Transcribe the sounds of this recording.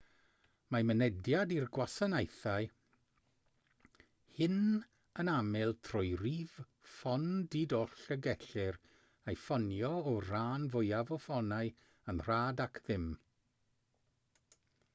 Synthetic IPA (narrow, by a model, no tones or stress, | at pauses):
mamənɛdjadirɡwasənajθaɨ | hɪn | ənamɪlˠtʰrʊjriv̥ | fɔndidɔɬəɡɛɬɪɾ | ajfɔnjɔɔraːnvʊjavɔfɔnaɨ | ənr̥aːdakʰðɪm